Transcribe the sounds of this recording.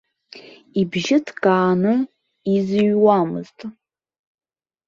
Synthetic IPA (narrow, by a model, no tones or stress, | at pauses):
ibʒɪtʰkʼaːnɨ | izɨɥwamɨ̰ztʼ